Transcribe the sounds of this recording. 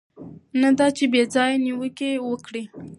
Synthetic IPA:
nad̪ɑt͡ʃebed͡zɑjaniwəkewəkɽi

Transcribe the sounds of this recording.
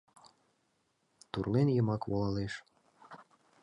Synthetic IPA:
t̪urlenjəmɑkβolɑleʃ

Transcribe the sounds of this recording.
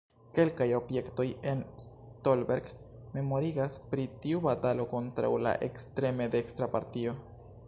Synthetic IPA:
ke̞lkajo̞bje̞kto̞je̞ns | tolbe̞ɾɡme̞mo̞ɾiɡaspɾitiubatalo̞ko̞ntɾa̰wla̰ʔe̞̰kstɾe̞me̞d̪eːkstɾapaɾtio̞

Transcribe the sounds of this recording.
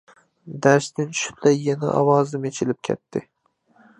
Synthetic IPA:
d̪aɾst̪ɪnʃʊ̥t̪lajːana̰ʔɒ̰wɒzɪmet͡ʃʰɪlɪp̚kʲʰḛt̪ːɪ

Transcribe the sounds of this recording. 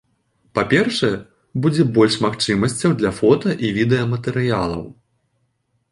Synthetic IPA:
papʲɛrʂɐjɛ | bud͡zʲɛbɔlʲʂmaxt͡ʂɨmɐsʲt͡sʲɐwd̪lʲɐfɔt̪ɐʔivʲid̪ɛjɐmɐt̪ɛɾɨjalˠɐ̰w

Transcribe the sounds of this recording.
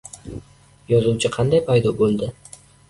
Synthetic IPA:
jɒzuwt͡ʃʰɪqʰɑnd̪ajpʰajd̪ɒbolˠd̪ɪ

